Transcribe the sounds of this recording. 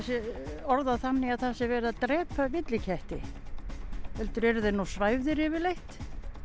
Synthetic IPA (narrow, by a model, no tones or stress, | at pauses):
sɛɔɾðaθanːɪaðθasɛvɛːɾɪðat̪ɾɛːpʰavɪt̪lɪcʰɛht̪ɪ | hɛlt̪ʏɾɛɾʏðenusvaːjvðɪɾɪvɪlejht̪